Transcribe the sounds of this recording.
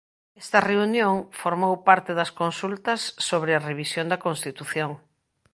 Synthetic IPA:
ɛst̪ɐreunjoŋfoɾmowpaɾt̪eðɐskonsult̪ɐsːoβɾeɐreβisjond̪ɐkõnst̪it̪uθjoŋ

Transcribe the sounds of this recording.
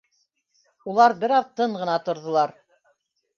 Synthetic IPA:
ulˠɑɾbɘɾɑðt̪ɤɴʁɤ̆nɑt̪ŏɾðŏlˠɑɾ

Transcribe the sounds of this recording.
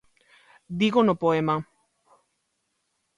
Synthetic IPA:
d̪iɣonopoema

